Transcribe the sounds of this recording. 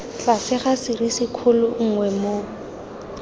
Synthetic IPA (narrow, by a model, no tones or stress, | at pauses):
t͡ɬasɪχasɪrisɪkʰʊlʊŋ̩ŋwɛmo